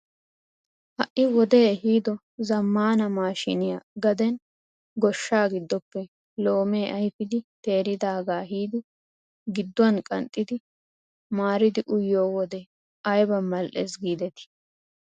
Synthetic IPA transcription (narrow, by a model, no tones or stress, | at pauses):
hɐʔʔɪwɔd̪eːɦiːd̪ɔ | zɐmːaːnɐmaːʃɪnɪjaɡɐd̪ɛn | ɡɔʃːaːɡɪd̪ːɔpːɛ | lo̞ːmeːʔɐjfɪd̪ɪt̪e̞ːɾɪd̪aːɡaːɦiːd̪ɪ | ɡɪd̪ːʊɐnkʼɐ̰nt̪ʼːɪd̪ɪ | maːɾɪd̪ɪʔʊjːoːwɔd̪ɛ | ɐjbɐmɐlʔḛsɡiːd̪ɛt̪ɪ̥